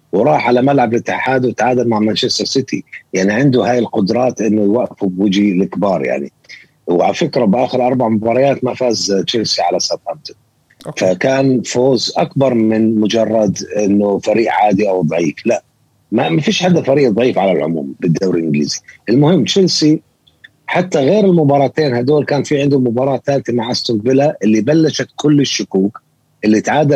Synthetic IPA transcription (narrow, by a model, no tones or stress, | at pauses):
wɾˤɑːħʕalamalʕablɪt̪ːaħaːd̪wɪt̪ʕaːd̪almaʕmant͡ʃast̪ɑɾˤsɪt̪ḭjaʕniʕɪnd̪ʊɦaːjɪlqʊd̪ɾˤɑːt̪ʔɪnːʊwaʔfʊbwɪd͡ʒilɪkbɑːɾˤja̰ʕnḭ | wʕa̰lfɪkɾabʔaːxɪɾʔɑɾˤbaʕmʊbɑːɾˤɑjaːt̪mafaːzt͡ʃɪlsiʕalasafamt̪ʊ̥ | fakaːnfoːzʔakbɑɾˤmɪnmʊd͡ʒɑrˤːɑd̪ʔɪnːʊfaɾiːʔʕaːd̪iʔawd̪ˤɑʕiːflaʔ | mamafiːʃħad̪ːafaɾiːʔd̪ˤʕiːfʕalalʕʊ̰mṵːmbɪd̪ːawɾʔɪnɡlḭːziʔɪlmʊhɪmːt͡ʃɪlsi | ħat̪ːaɣeːɾɪlmʊbɑːɾˤɑːt̪eːnhad̪oːlkaːnfiʕɪnd̪ʊmːʊbɑːɾˤɑːt̪ːaːlt̪amaʕʔast̪ʊnd̪̚bɪlaʔɪlːibalːaʃat̪kʊlːɪʃːʊkuːk | ʔɪlːit̪ʕaːd̪a